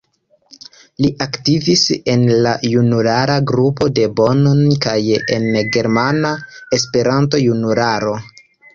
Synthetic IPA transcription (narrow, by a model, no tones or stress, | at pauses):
liʔaktivise̞nlajunulaɾaɡɾupo̞de̞bo̞nonkajḛnɡe̞ɾmanae̞s̬pe̞ɾanto̞junuɾaɾo̞